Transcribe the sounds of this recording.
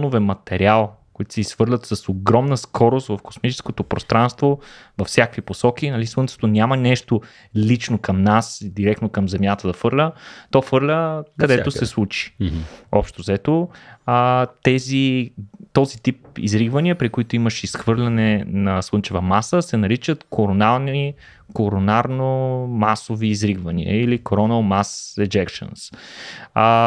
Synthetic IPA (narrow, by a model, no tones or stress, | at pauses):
novɛmɐt̪ɛɾialˠ | koit̪sɛisxvɤɾlʲət̪səsoɡɾɔmnəskʰɔɾost̪vɐfko̥smit͡ʃɛ̥skot̪opɾo̰st̪ɾãnst̪vovɐfsjakkviposɔkinɐlislˠwənt̪ot̪onʲamənɛʃt̪o | lit͡ʃnokɐmnasd̪iɾɛkt̪nokɐmzɛmʲjat̪əd̪ɐfɤɾlʲət̪ɔfɤɾlʲəkɐd̪ɛosɛslˠut͡ʃi̥ɔpʃt̪ozɛt̪o | t̪ɛzit̪ɔzit̪ip̚ḭzɾiɡvəniəpɾikoit̪ʊiməʃisxvɤɾlʲɐnɛnɐslˠɤnt͡ʃɛvəmasəsɛnɐɾit͡ʃət̪kʰoɾonalˠni | koɾonaɾnomasoviːzɾiɡvɐnḭə̰ilikoɾɔnəlˠmasɛd͡ʒɛkʃə̰ns